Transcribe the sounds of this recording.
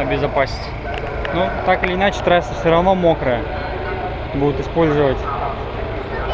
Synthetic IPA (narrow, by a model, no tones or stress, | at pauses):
ɐbʲɪzɐpasʲɪtʲ | nut̪akɨlʲɪːnat͡ɕɪ̥t̪ɾasʲəfsʲoɾɐvno̞mo̞kɾə | bud̪ʊt̪ɨspo̞lʲzəvətʲ